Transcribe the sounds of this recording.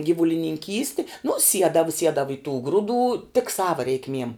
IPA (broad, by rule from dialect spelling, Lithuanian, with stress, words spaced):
ɡʲiːʋʊlʲɪnʲɪŋʲˈkʲiːsʲtʲɪ nʊ ˈsʲiɛdɐʋɐ ˈsʲiɛdɐʋɐ ɪ tuː ˈɡrʊˌduː tʲɪk ˈsɑːʋɐ rʲɛɪkˈmʲiɛm